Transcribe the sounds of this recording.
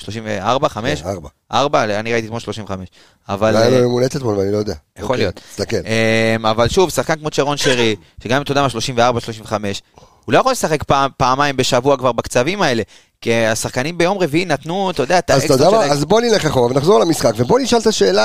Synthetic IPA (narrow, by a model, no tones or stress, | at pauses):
ʃlo̞ʃimveaʁbaχameʃaʁba | ʔaʁbaaniʁait̪it̪molʃlo̞ʃimveχame̞ʃ | a̰valmomemulet̪et̪molveanilojod̪eajaχolijot̪t̪akeemavalʃuvsaχkankmo̞t͡ʃeʁo̞nʃeʁi | ʃeɡamimt̪odamalʃlo̞ʃimveaʁbaʃlo̞ʃimve̞χame̞ʃ | ulo̞jeχolesaχe̞kpapaːmajmbe̞ʃavuakvaʁbakt͡savimae̞le̞ | kiasaχkanimbe̞jomʁe̞viimnat̪nut̪od̪eat̪azeod̪aazbo̞nileχaχomavenaχzoʁalamisχakvebo̞niʃalt̪aʃe̞ːla